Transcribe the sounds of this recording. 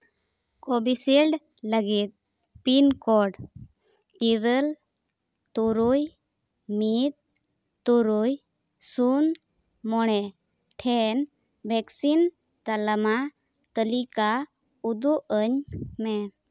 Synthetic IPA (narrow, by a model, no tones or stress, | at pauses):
kɔbisilɖ | ləɡit̪̚ | pinkɔɖ | iɾəl | t̪uɾuj | mit̪̚ː | uɾuj | sun | mɔɽ̃ɛ | ʈʰɛn | bʱɛksin | t̪aləma | t̪əlika | ud̪uʔəɲmɛ